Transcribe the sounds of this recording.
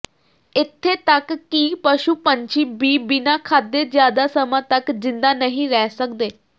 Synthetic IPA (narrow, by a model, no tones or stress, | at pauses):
ɪt̪ʰːeːt̪əkːiːpəʃuːpəɲt͡ʃiːbiːbɪnaːkʰaːd̪ːeːzjaːd̪aːsəmãːt̪əkzɪnd̪aːnəɦĩɾɛːsək̚d̪eː